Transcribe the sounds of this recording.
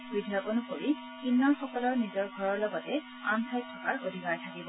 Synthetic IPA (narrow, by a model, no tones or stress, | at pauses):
bidʱijɔkɔnukoɹi | kinːɔɹxɔkɔlɔɹnizɔɹɡʱɔɹɔɹlɔɡɔtɛ | a̰ntʰajk̚tʰɔkaɹʔod̪ʱikaɹtʰakibɔ